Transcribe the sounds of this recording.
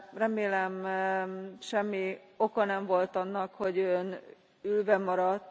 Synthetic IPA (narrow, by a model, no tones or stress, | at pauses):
rɛmeːlɛm | ʃɛmːio̞kɒnɛɱvo̞lt̪ɒnːɒkho̞ɟøn | ylvɛmɒɾɒt̪ː